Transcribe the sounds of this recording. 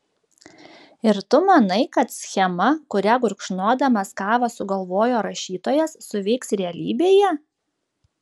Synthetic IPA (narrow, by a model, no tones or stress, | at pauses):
ɪɾt̪ʊmɐnɐɪkɐt̪sʲxʲɛmɐkʊɾʲæɡʊɾkʃnuɔd̪ɐmɐskɑːʋɐsʊɡɐlˠʋoːjoːɾɐʃʲiːt̪oːjɛsːʊʋʲɛɪksɾʲɛɐlʲḭːbʲeːjɛ